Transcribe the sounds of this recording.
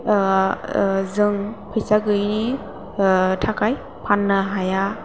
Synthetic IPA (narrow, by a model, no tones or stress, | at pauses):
zɯŋpʰɯjsaɡɯjni | tʰakʰaj | pʰanːaɦaja